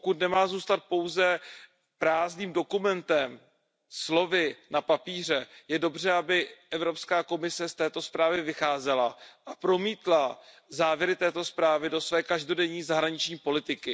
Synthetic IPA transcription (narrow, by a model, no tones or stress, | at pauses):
pokut̪nɛmaːzuːst̪at̪̚po̞wzɛ | pɾaːzniːmdo̞kumɛnt̪ɛm | slo̞vɪnapapiːr̝ɛjɛdo̞br̝ɛabɪʔɛvɾo̞pskaːko̞mɪsɛst̪ɛːt̪o̞spɾaːvɪvɪxaːzɛlaʔapɾo̞miːt̪la | zaːvjɛɾɪt̪ɛːt̪o̞spɾaːvɪdo̞svɛːkaʒdo̞dɛɲiːzaɦɾaɲɪt͡ʃɲiːpo̞lɪt̪ɪkɪ